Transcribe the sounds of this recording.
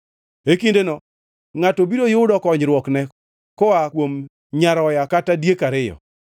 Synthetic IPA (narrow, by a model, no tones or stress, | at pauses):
ekindenɔ | ŋatobiɾojʊʊdɔkɔɲɾwɔknɛ | kɔakwom | ɲaɾɔjakatadjekaɾɪjɔ̰